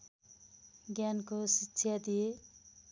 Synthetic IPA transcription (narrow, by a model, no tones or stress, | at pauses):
ɡjankosisʰjad̪ije